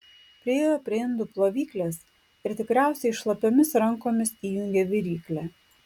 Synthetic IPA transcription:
pʲɾʲɪjɛjoːpʲɾʲɪɪnd̪ʊplˠoːʋʲiːklʲeːs | ɪɾt̪ʲɪkɾʲæˑʊsʲɛɪʃlˠɐpʲomʲɪsɾɐŋkoːmʲɪsiːjʊŋʲɡʲeʋʲɪɾʲiːklʲæ

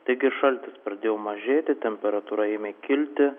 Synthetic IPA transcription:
t̪ɐɪɡʲɪʃɐlʲt̪ʲɪspɾɐd̪ʲeːjɛʊmɐʒʲeːt̪ʲɪt̪ʲɛmʲpʲɛɾɐt̪uɾɐɪmʲɛkʲɪlʲt̪ʲɪ

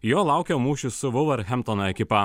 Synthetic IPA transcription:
joːlˠɑˑʊkʲɛːmuːʃʲʊsʊʋʊʋɐɾxʲɛmt̪ɔnɐɛkʲɪpɐ

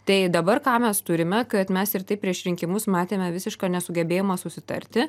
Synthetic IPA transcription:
t̪ɐɪd̪ɐbɐrkɑːmʲɛst̪ʊɾʲɪmʲɛkɐt̪mʲɛsɪrt̪ɐɪpʲɾʲiɛʃɾʲɪŋʲkʲɪmʊsmɑːt̪ʲeːmʲɛʋʲɪsʲɪʃkɑːnʲɛsʊɡʲɛbʲeːjoːmɐsʊsʲɪt̪ɐ̰ɾʲt̪ʲɪ

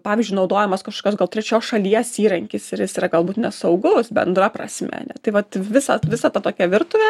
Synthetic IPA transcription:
pɑːʋʲɪzʲd͡ʒʲʊɪnɐʊd̪oːjɛmɐskɐʃkoːkʲoːs̬ɡɐlˠt̪ʲɾʲɛt͡ʃʲoːsʃɐlʲiɛsiːɾɐŋʲkʲɪsɪɾjɪsiːɾɐɡɐlˠbuːt̪nʲɛsɐʊɡʊsbʲɛ̰nd̪ɾɐpɾɐ̰sʲmʲɛ̰nʲɛ̰t̪ɐɪʋɐt̪ʋʲɪsɐ̰ʋʲɪsɑt̪ɐt̪oːkʲɛʋʲɪrt̪ʊʋʲɛ

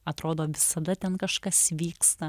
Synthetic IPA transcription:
ɐt̪ɾoːd̪oːʋʲɪsɐd̪ɐt̪ʲɛnkɐʃkɐsʋʲiːkst̪ɐ

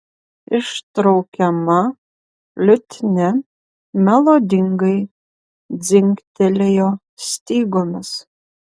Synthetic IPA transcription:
ɪʃt̪ɾɐʊkʲɛmɐ | lʲʊt̪ʲnʲɛ | mʲɛlˠod̪ʲɪŋɡɐɪ | d̪d͡z̪ʲɪŋʲkt̪ʲɛlʲejoː | sʲt̪ʲiːɡomʲɪs

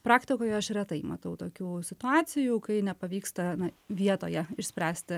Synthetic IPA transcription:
pɾɑːkt̪ʲɪkoːjɛɐʃɾʲɛt̪ɐɪmɐt̪ɐʊt̪oːkʲuːsʲɪt̪ʊɑːt̪sʲɪjuːkɐɪnʲɛpɐʋʲiːkst̪ɐnɐʋʲiɛt̪oːjɛɪʃʲsʲpʲɾʲæːsʲt̪ʲɪ

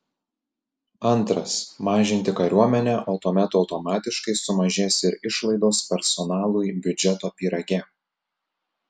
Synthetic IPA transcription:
ɐnˑt̪ɾɐsmɑːʒʲɪnʲt̪ʲɪkɐɾʲuɔmʲɛnʲæːʔɐʊt̪uɔmʲɛt̪ɐʊt̪ɔmɑːt̪ʲɪʃkɐɪsʊmɐʒʲeːsɪɾɪʃlˠɐɪd̪oːspʲɛɾsɔnɑːlˠʊjbʲʊd͡ʒʲɛt̪oːpʲiːɾɐɡʲɛ

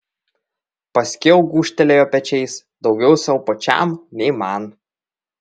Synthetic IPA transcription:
pɐsʲkʲeʊɡuːʃʲt̪ʲɛlʲeːjoːpʲɛt͡ʃʲɛɪsd̪ɒʊɡʲɛʊsʲɐʊpot͡ʃʲæ̰mnʲɛɪmɑn

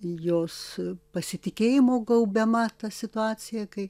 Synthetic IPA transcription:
joːspɐsʲɪt̪ʲɪkʲeːjɪmoːɡɐʊbʲɛmɐt̪ɐsʲɪt̪ʊɑːt͡s̪ʲɪjɛkɐɪ

